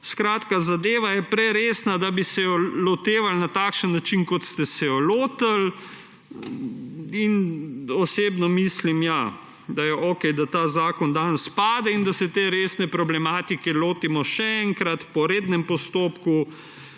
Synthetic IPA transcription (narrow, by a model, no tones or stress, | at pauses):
skɾaːt̪kazad̪eːʋajɛpɾɛɾeːsnad̪abisɛjɔlɔt̪eːʋalnat̪aːkʃənːat͡ʃinkɔt̪st̪ɛsɛjɔloːt̪əl | inɔseːbnɔmislimja | d̪ajɛʔoːkɛjd̪at̪aːzaːkɔnd̪anspaːd̪ɛind̪asɛt̪eɾeːsnɛpɾɔblɛmaːt̪ikɛloːt̪imɔʃɛɛŋkɾat̪pɔɾeːd̪nɛmpɔst̪oːpku